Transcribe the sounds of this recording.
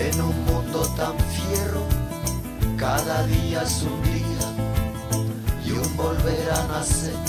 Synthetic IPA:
enũŋmũnd̪ot̪aɱfjero | kaðaðiasuŋɡɾia | jumbolβeɾanase

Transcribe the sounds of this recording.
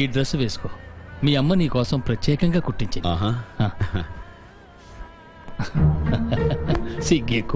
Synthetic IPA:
iːɖɾɐsʋeːsu̥komiːɐmːɐniːkɔːsɐmpɾɐtjeːkɐŋɡaːkuʈːiɲt͡ʃiaɦahãː | siɡek

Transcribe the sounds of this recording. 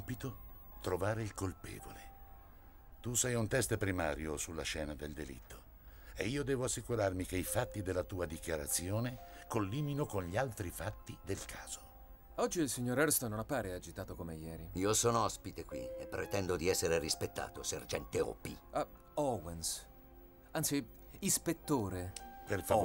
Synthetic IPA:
mpit̪o | t̪ɾovaːɾeilkolpɛ̰ːvo̰le | t̪usɛjunt̪ɛst̪pɾima̰ːɾjosulːaʃɛːnad̪eld̪elḭt̪ʰːo̥ | eiːod̪ɛːvoasːikuɾarmikeifat̪ːid̪elːat̪uːad̪ikjaɾat̪sːjoːnekolːiːminokonʎialt̪ɾifat̪ːid̪elkʰaːz̥o | ɔd͡ʒːilsiɲːoːɾɛɾst̪onːonapːaːɾead͡ʒit̪aːt̪okomejɛːɾiiːosɔːnoɔspit̪ekwḭepːɾet̪ɛnd̪od̪iɛsːeɾeɾispet̪ːa̰ːt̪osḛrd͡ʒɛnt̪eɔ̰pḭa | ɔwens | ant̪si | ispet̪ːoːɾeperfa

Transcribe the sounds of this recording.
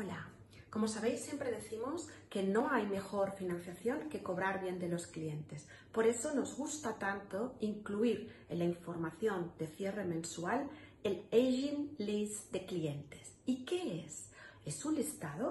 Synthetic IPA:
ola | ko̞mosaβe̞jsːje̞mpɾeðeθimoske̞nõ̞ajme̞xo̞ɾfinãn̟θjaθjo̞ŋke̞ko̞βɾaɾβje̞nd̪e̞lo̞sklie̞nt̪e̞s | po̞ɾe̞so̞no̞zɣust̪at̪ant̪oiŋkluiɾelaiɱfo̞ɾmaθjo̞nd̪e̞θje̞re̞mẽnsualelejʒinlisd̪e̞klient̪es | ike̞ese̞sunist̪aðo

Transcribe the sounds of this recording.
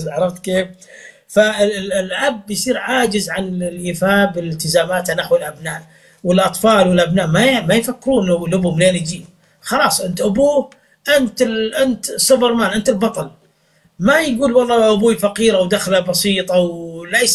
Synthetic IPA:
ʕɑɾˤɑft̪keːf | faɪlɪlʔabːjsˤiːɾʕaːd͡ʒɪzʕanlʔiːfaːbɪlɪlt̪ɪzaːmaːt̪anaħwɪlʔabnaːʔ | wɪlʔɑt̪ˤfɑːlwɪlʔabnaːʔmamajfakːɪɾuːnːawɪlʔʊbumleːnɪd͡ʒiː | xɑlɑːsˤʔɪnt̪ʔʊbuː | ʔɪnt̪ʔɪnt̪sˤːʊbɪɾmaːnʔɪnt̪ɪlbɑt̪ˤɑl | majɡuːlwɑlˤːɑːʔʊbuːfaqiːɾawd̪axlabɑsˤiːt̪ˤɑwlajs

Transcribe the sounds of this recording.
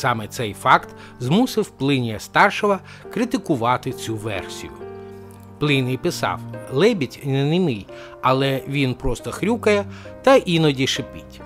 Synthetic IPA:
sɑmɛt̪sɛjfɑkt̪ | zmusɪwplˠɪnʲijɐst̪ɑrʃɔʋɐ | kɾɪt̪ɪkʊʋɑt̪ɪt͡sʲuʋɛ̰rsʲḭjʊ̰ | plˠɪnɪjpɪsɑ̰wlˠɛbʲitʲnnɪmɪj | ɐlˠɛʋʲinpɾɔst̪ɔxɾʲukɐjɛt̪ɐʔinɔdʲiʃɪpɪtʲ

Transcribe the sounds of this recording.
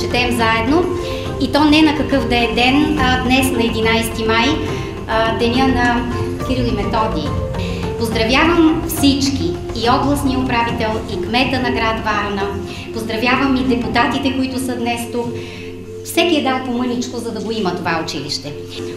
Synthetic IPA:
t͡ʃɛt̪ɛmzaɛd̪no | it̪ɔnɛnɐkɐkɤfd̪ɛd̪ɛnd̪nɛsnɐɛd̪inajst̪imaj | d̪ɛnʲjənɐ | kiɾilˠimɛt̪ɔd̪iː | pozd̪ɾɐvjavəmfsit͡ʃkiː | ɔɡlˠəsniopɾavit̪ɛlˠikmɛt̪ənɐɡɾat̪vaɾnə | pozd̪ɾɐvjavəmid̪ɛput̪at̪it̪ɛkoit̪ʊsəd̪nɛst̪uk | fsɛkiɛd̪anpomɤnit͡ʃkozɐd̪ɐɡoimət̪ovaʊt͡ʃiliʃt̪ɛ

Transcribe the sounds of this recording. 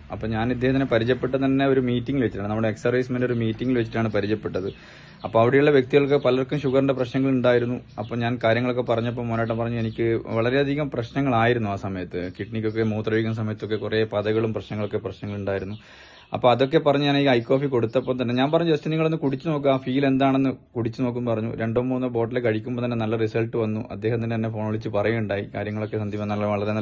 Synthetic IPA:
ɐpːoːɲaːnid̪ehɐt̪inːepɐɾit͡ɕːɐpːeʈːɨt̪ɐnːe̞o̞ɾumiːtːiŋɡilʋet͡ɕːiʈːaːɳnɐmːuɽeeksɐrɐjsmeno̞ɾumiːtːiŋɡilʋet͡ɕːiʈːaːɳɨpɐɾit͡ɕːɐpːeʈːɐðɨ | ɐpːoɐʋiɽejuɭːɐʋje̞k̚t̪iɣɐɭokːe̞pɐlɐorkːɐmɕuɣɐrɳɖeprɐɕnɐŋːɐɭuɳɖaːjiɾunːuɐpːoːɲaːnkaːɾjɐŋːɐɭokːe̞pɐrɐɲːɐp̬ːoːmonɐːʈːɐmpɐrɐɲːuenikʲːɨʋɐɭɐɾe̞ɐd̪ʱiɣɐmprɐɕnɐŋːɐɭaːjiɾunːuaːsɐmɐjɐt̪ːɨkiʈnikʲːo̞kːe̞moːt̪rɐʋiːɣɐns̬ɐmɐjɐt̪ːo̞kːe̞kure̞pɐðɐɣɐɭumprɐɕnɐŋːɐɭo̞kːe̞prɐɕnɐŋːɐɭuɳɖaːjiɾunːu | ɐ̰pːoːɐðo̞kːe̞pɐrɐɲːuaːɳeiɐjkːo̞ːfiko̞ɽut̪ːɐpːoːnt̪̬ɐnːeɲaːnpɐrɐɲːuɐst͡ɕːiniŋːɐɭo̞nːɨkuɽit͡ɕːɨno̞ːk̬ːuaːfiːile̞nd̪aːɳe̞nːɨkuɽit͡ɕːɨno̞ːk̬ːumːpɐrɐɲːṵɾe̞ɳɖoːmboːnːɐbo̞ːʈːilekɐɻikʲːumboːt̪ɐnːe̞nɐlːɐrisɐlʈɨʋɐnːṵʔɐ̰d̪ːeːhɐmt̪inːet̪ɐnːefo̞ːɳoɭit͡ɕːɨpɐrɐjuuɳɖaːjikaːɾjɐŋːɐɭo̞kːe̞sɐnd̪ipːɐnːɐlːɐʋɐɭɐten

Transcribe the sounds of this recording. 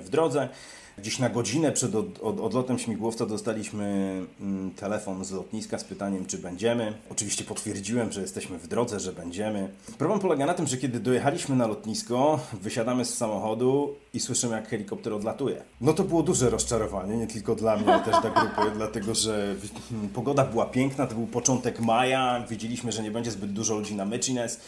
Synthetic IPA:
vd̪ɾɔd̪zɛ | ɡd͡ʑeɕnaɡɔd͡ʑinɛpʂɛd̪ɔɔd̪ɔd̪lɔt̪ɛmɕmʲiɡwɔft̪sad̪ɔst̪alʲiɕmɘ | t̪ʰɛlɛfɔnzlɔt̪ɲiskaspɘt̪aɲɛmt͡ʂɘbɛɲd͡ʑɛmɘɔt͡ʂɨvʲiɕt͡ɕɛpɔt̪fʲjɛɾd͡ʑiwɛmʐɛjɛst̪ɛɕmɘvd̪ɾɔd̪zɛʐɛbɛɲd͡ʑɛmɘpɾɔblɛmpɔlɛɡanat̪ɘmʐɛkʲɛd̪ɘd̪ɔjɛxalʲiɕmɘnalɔt̪ɲiskɔvɘɕad̪amɘsːamɔxɔd̪u | iswɘʂɘmɘjakxɛlʲikɔp̚t̪ɛɾɔd̪lat̪ujɛ̰ | nɔt̪ɔbɘwɔd̪uʐɛɾɔst͡ʂaɾɔvaɲɛɲɛt̪ɘlkɔd̪lamɲɛt̪ɛʂt̪aɡɾupad̪lat̪ɛɡɔʐɛvpɔɡɔd̪abɘwapʲjɛŋknat̪ɔbɘwpɔt͡ʂɔnt̪ɛkmajavʲjed͡ʑelʲiɕmɘʐɛɲɛbɛɲd͡ʑɛzbɘd̪̚d̪uʐɔlud͡ʑinamɛt͡ʂinɛs

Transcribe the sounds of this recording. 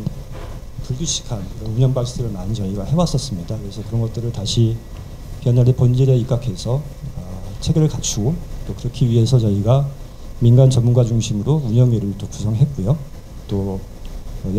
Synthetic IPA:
puɭduɕʰi̥kʰanɯɾʌnuɲʌŋbaisʰɯɾɯɭnaɯnt͡ɕʌiɡahe̞was͈ʌs͈ɯmɲidakɯɾe̞sʰʌkɯɾʌnɡʌt̚t͈ɯɾɯɭtaɕʰi | piʌnːaɾepond͡ʑiɾeik͈akʰe̞sʰʌ | t͡ɕʰe̞ɡeɾɯɭkat͡ɕʰuɡot͈okɯɾʌkʰiɥiɦe̞sʰʌt͡ɕʌiɡa | minɡant͡ɕʌmunɡwat͡ɕuŋɕʰimɯɾouɲʌŋiɾɯɭt͈okusʰʌŋɦe̞t̚k͈ujo | t͈o

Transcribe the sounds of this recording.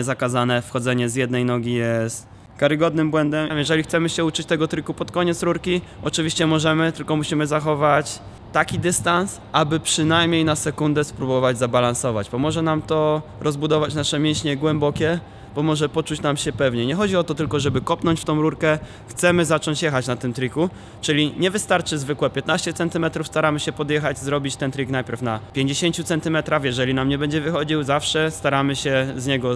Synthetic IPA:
ɛzakazanɛfxɔd̪zɛɲɛzjɛd̪nɛjnɔɡʲijɛst̪ | kaɾɘɡɔd̪nɘmbwɛnd̪ɛmjɛʐɛlʲixt̪sɛmɘɕɛut͡ʂɘt͡ɕt̪ɛɡɔt̪ɾɘkupɔt̪kɔɲɛt̪sɾuɾkʲiʔɔt͡ʂɘvʲiɕt͡ɕɛmɔʐɛmɘt̪ɘlkɔmuɕimɘzaxɔvat͡ɕ | t̪akʲid̪ɘst̪ansʔabɘpʂɘnajmɲejnasɛkund̪ɛspɾubɔvad͡ʑzabalansɔvat͡ɕpɔmɔʐɛnamt̪ɔɾʔɔzbud̪ɔvat͡ɕnaʂɛmʲjɛ̃ɕɲɛɡwɛmbɔkʲɛ | bɔmɔʐɛpɔt͡ʂut͡ɕnamɕɛpɛvɲɛɲɛxɔd͡ʑiɔt̪ɔt̪ɘlkɔʐɛbɘkɔpnɔɲt͡ɕft̪ɔ̃w̃ɾuɾkɛ | xt̪sɛmɘzat͡ʂɔɲt͡ɕjɛxat͡ɕnat̪ɘmt̪ɾʲiku | t͡ʂɘlʲiɲɛvɘst̪aɾt͡ʂɘzvɘkwɛpʲjɛt̪naɕt͡ɕɛt̪sɛnt̪ɘmɛt̪ɾufst̪aɾamɘɕɛpɔd̪jɛxad͡ʑzɾɔbʲit͡ɕt̪ɛnt̪ɾʲiknajpʲjɛɾfnapʲjeɲd͡ʑeɕeɲt͡ɕut̪sɛnt̪ɘmɛt̪ɾafjɛʐɛlʲinamɲɛbɛɲd͡ʑɛvɘxɔd͡ʑiwzafʂɛst̪aɾamɘɕɛzɲɛɡɔ

